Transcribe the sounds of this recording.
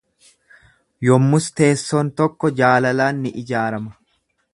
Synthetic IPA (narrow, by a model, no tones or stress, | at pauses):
jɔmːʊst̪e̞ːsːoːnt̪ɔkːɔd͡ʒaːlɐlaːnːɪʔɪd͡ʒaːɾɐmɐ